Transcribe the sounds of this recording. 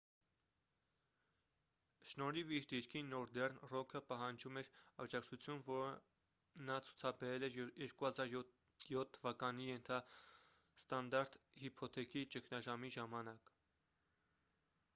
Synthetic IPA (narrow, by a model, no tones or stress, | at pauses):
ʃnɔɾiviɾd̪iɾkʰinɔɾd̪ɛrnrɔkʰəpɑɦɑnd͡ʒumɛɾɑd͡ʒɑkt͡sʰut͡sʰjunvɔɾə | nɑt͡sʰu̥t͡sʰɑbɛɾɛlɛɾjɛɾkuhɑzɑɾj | jɔt̪ʰːəvɑkɑnijɛnt̪ʰɑ | st̪ɑnd̪ɑɾt̪hipʰɔt̪ʰɛkit͡ʃəkʰnɑʒɑmiʒɑmɑnɑk